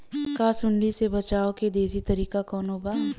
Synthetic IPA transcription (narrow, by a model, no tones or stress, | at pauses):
kasʊɳɖisebɐt͡ʃaːoked̪eːzit̪ɐɾiːkakɔːnobaː